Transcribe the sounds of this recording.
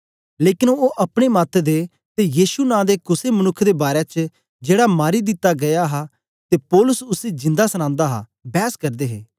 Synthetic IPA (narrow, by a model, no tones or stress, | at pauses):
leːkɪnooːʔɐpɽ̃emaːt̪ʰd̪e | t̪ejiːʃunãːd̪ekʊsemɐnʊkʰːd̪ebaːɾet͡ʃ | d͡ʒeːɽamaːɾid̪ɪt̪ːaɡɐjaɦa | t̪eːpɔːlʊsʊsed͡ʒɪ̃nd̪asəñãːnd̪aɦa̰ | bɛːskɐɾd̪eːɦeː